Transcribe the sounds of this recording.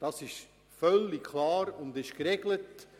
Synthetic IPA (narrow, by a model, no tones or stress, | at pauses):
d̥ɑsɪʃ | fœlːikʰlɑːɾʊndɪʃkɾɛɡlət